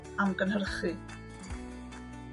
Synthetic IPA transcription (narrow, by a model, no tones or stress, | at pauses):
amɡənhərχɨ